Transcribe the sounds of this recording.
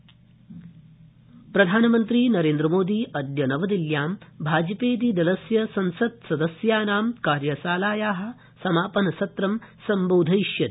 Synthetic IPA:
pɾɐd̪ʱaːnɐmɐnt̪ɾiːnɐɾeːnd̪ɾɐmoːd̪iːʔɐd̪jɐnɐʋɐd̪iljaːmbʱaːd͡ʒɐpeːd̪id̪ɐlɐsjɐsɐnsɐd̪̚sɐd̪ɐsjaːnaːmkaːɾjɐsaːlaːjaːɦɐ̆ | sɐmaːpɐnɐsɐt̪ɾɐmsɐmboːd̪ʱɐjʃjɐ

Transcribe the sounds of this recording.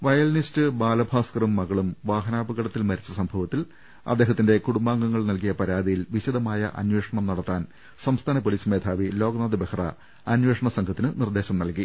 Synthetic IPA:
ʋɐjɐlnistɨbaːlɐbʱaːskɐrumːɐɣɐɭumʋaːɦɐnaːbɐɣɐɽɐt̪ːilmɐɾit͡ɕːɐsɐmbʱɐʋɐt̪ːil | ɐ̰d̪ːe̞ːɦɐt̪ːinde̞kuɽumbaːŋɡɐŋːɐɭnɐlkijɐpɐɾaːd̪ijilʋiɕɐd̪ɐmaːjɐ̰ʔɐ̰nwe̞ːʂɐɳɐmnɐɽɐt̪ːaːn | sɐmst̪ʰaːnɐpoliːsmeːd̪ʰʱaːʋilo̞ːɡnaːd̪ɨbekʰɐrɐ̰ | ɐnweːʂɐɳɐsɐŋɡʰɐt̪ːinɨnird̪e̞ːɕɐmnɐlki

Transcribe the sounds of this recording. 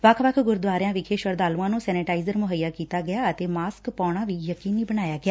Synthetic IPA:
ʋəkʰʋəkʰɡʊɾd̪ʋaːɾɪjãːʋɪkʰeːʃʋəɾd̪aːluãːnũːsɛːnɪʈaːizəɾmʊɦəijːaːkiːt̪aːɡɪjaːət̪eːmaːskpaːɽ̃ãːʋiːjəkiːniːbənaːjaːɡɪjaː

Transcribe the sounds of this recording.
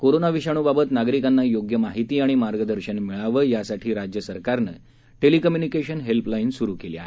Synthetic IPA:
koɾonaʋiɕaɽ̃ubabət̪naɡɾikanːajoɡjəmaɦit̪iːaɽ̃imaɾɡəd̪əɾɕənmiɭaʋəjasaʈʰiːɾad͡ʑjəsəɾkaɾnə̰ | ʈelikəmjunikeɕənɦelplainsuɾuːkelja̰

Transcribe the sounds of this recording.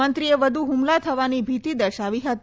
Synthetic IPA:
ənt̪ɾijeʋəd̪ʱuɦumlat̪ʰəʋaniːbʱit̪iːd̪əɕaʋiɦat̪

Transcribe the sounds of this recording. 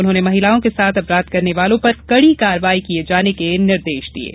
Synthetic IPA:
ʊnɦõːnemɐɦɪlaːõkesaːt̪ʰɐpɾaːd̪kɐɾneʋaːlõpɐɾkɐɽikaːɾʋaːikied͡ʒaːnekenɪɾd̪eːʃd̪ḭḛː

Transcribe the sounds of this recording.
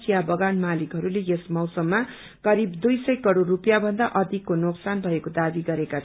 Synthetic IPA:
sijabʌɡanmalikɦʌɾulejesmʌwsʌmːa | kʌɾibd̪ujsʌjkʌɽorːupjabʱʌnd̪aʔʌd̪ʱikːonoksanbʱʌekod̪abiɡʌɾeka

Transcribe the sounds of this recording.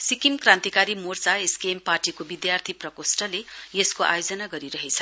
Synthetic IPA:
sikimkrãnt̪ikaɾimort͡saeskeːmparʈikobid̪jart̪ʰiprʌkosʈʌlejeskoʔa̰jod͡zʌnaɡʌɾiɾʌɦet͡sʰʌ

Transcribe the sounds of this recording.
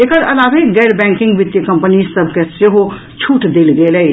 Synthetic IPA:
ekəɾɐlaːʋeɡɛɾbɛ̃ŋkɪ̃ŋɡʋɪt̪jəkə̃mpənizsəb̚ʱkeseɦo | t͡ʃʰuːʈʰd̪elɡele

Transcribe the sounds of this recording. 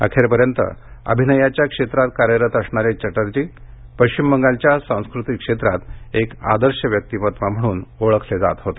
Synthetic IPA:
ə̰kʰeɾpəɾjənt̪ə̰ə̰bʱinəjat͡ɕjakʂet̪ɾat̪kaɾjəɾət̪əsɳaɾet͡ɕəʈəɾt͡ɕiːpəɕt͡ɕimːəŋɡalt͡ɕjasãw̃skɾut̪ikʂet̪ɾat̪eka̰d̪əɾɕjəʋjək̚t̪ipət̪ʋam̤əɽ̃uːnoɭəkʰled͡za̰t̪ɦot̪e

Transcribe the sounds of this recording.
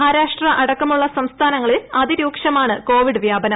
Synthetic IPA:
ɦaːɾaːʂʈrɐʔɐɽɐkːɐmuɭːɐsɐmst̪ʰaːnɐŋːɐɭilɐðiɾuːkʂɐmaːɳɨko̞ːʋiɽɨʋjaːbɐnɐ

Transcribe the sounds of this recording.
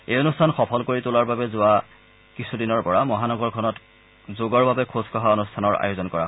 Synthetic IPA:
ejonustʰanxɔpʰɔlkoɹitʊlaɹbabɛzʊa | kisʰudinɔɹpɔɹamɔɦanɔɡɔɹkʰɔnɔt | zoɡɔɹbabɛkʰozkɔɦaonustʰanɔɹa̰jozɔnkɔɹa̰ɦ

